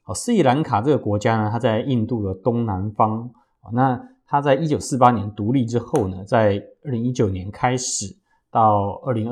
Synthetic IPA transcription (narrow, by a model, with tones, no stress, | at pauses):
hɔ˥˨˩sɹ̩˥i˥˩la˧˥nkʰa˨˩ʈ͡ʂɤ˥˩ɡə˩kwɔ˧˥t͡ɕja˥nə˧t̪ʰa˥t͡sa˥˧ɪi˥˧nt̪u˥˩lə˩t̪ʊ˥ŋna˧˥nfɑ˥ŋ | ɔ˨˩na˥˧t̪ʰa˥t͡sa˥˩ɪi˥t͡ɕjo˨˩ʊsɹ̩˥˩pa˥njɛ˧˦nt̪u˧˥li˥˩ʈ͡ʂɻ̩˥xo˥˩ʊnə˩t͡sa˥˧ɪə˥˩li˧˥ŋi˥t͡ɕjo˨˩ʊnjɛ˧˥nkʰa˥ɪʂɻ̩˨˩ | t̪ɑ˥˩ʊə˥˩li˧˥ŋ˥